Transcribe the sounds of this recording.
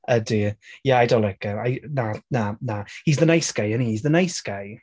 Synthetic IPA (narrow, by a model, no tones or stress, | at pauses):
ədijaajdɔlˠɛɡəajnananahizðənajsɡ̥ajənihiːzðənajsɡ̥aj